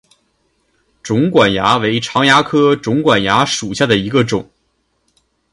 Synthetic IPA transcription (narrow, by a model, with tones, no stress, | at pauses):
ʈ͡ʂʊ˧˥ŋkwa˨˩nja˧˥we˧˥ɪʈ͡ʂʰɑ˧˥ŋja˧˥kʰɤ˥ʈ͡ʂʊ˧˥ŋkwa˨˩nja˧˥ʂu˨˩ɕja˥˩d̪ə˩i˧˥ɡə˧ʈ͡ʂʊ˨˩˦ŋ